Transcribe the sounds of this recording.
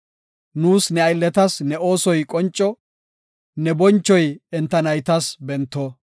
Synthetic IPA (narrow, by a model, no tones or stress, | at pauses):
nuːsnɛɐjlːɛt̪ɐsnɛo̞ːsɔjkʼɔnt͡ʃʼːɔ | nɛbɔnt͡ʃːɔjɛnt̪ːɐnɐjt̪ɐsbɛnt̪ːɔ